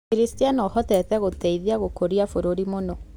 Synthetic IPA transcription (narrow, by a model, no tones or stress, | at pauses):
eɾistianɔhɔtɛtɛɣotɛiðiaɣokoɾiafoɾoɾimonɔ